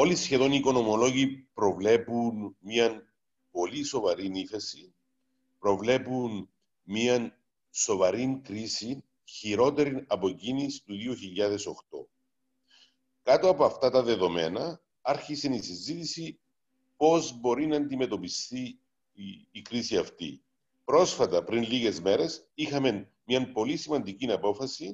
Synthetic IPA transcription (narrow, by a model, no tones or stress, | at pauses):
o̞lisçe̞ðo̞niko̞no̞molo̞ʝipɾo̞vle̞punmiɐn | po̞liso̞vɐɾiniθesin | pɾo̞vle̞pun | miɐn | so̞vɐɾinkɾisin | çiɾo̞t̪e̞ɾinɐpocinist̪uðioçiʎːɐðe̞so̞xt̪o̞̰ | kɐt̪oɐpoɐft̪ɐt̪ɐðe̞ðo̞me̞nɐ | ɐɾçise̞nisizit̪isi | po̞zbo̞ɾinɐːnd̪ime̞t̪o̞pist̪iː | kɾisiɐft̪ḭ | pɾo̞sfɐt̪ɐpɾinliɣe̞zme̞ɾe̞sixɐme̞n | mɲɐmpo̞lisimɐnd̪icinɐpo̞fɐsi